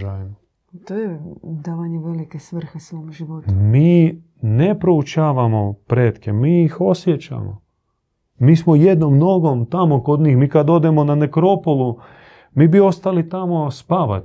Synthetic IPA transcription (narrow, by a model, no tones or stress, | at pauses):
ʒaːjm | t̪oːjed̪aːʋaɲeʋelikesʋr̩xesʋoːmʒiʋot̪miː | ne̞pɾo̞ut͡ʃaːʋamo̞pɾeːt̪kemiːixo̞sjet͡ɕa̰mo̰ | miːsmoje̞d̪nomno̞ɡo̞mt̪amokod̪ɲiːxmiːkad̪o̞d̪emo̞nanekɾo̞polˠu | miːbio̞st̪alit̪amo̞spaʋa̰t̪